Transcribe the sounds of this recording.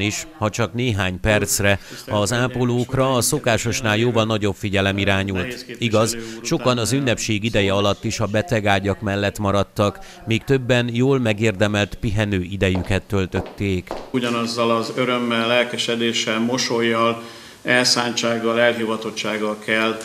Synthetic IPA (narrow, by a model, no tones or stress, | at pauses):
iʃhɒt͡ʃɒkneːɦaːɲpɛrt̪srɛɒzaːpoloːkrɒːso̞kaːʃo̞ʃn̪aːljoːvɒlnɒɟo̞bfiɟɛlɛmiɾaːɲult̪iɡɒzʃo̞kɒnɒzynːɛpʃeːɡid̪ɛjɛɒlɒt̪ːiʃɒbɛt̪ɛɡaːɟɒkmɛlːɛt̪mɒɾɒt̪ːɒk | miːkt̪ø̞bːɛnjoːlmɛɡeːrd̪ɛmɛlt̪piɦɛnøːʔid̪ɛjykɛt̪ːølt̪ø̞t̪ːeːkuɟɒnɒzːɒlɒzøɾø̞mːɛlːɛlkɛʃɛd̪eːʃɛlmo̞ʃojːɒl | ɛlsaːɲt͡ʃaːɡːɒlɛlɦivɒt̪o̞t͡ʃːaːɡːɒlkɛl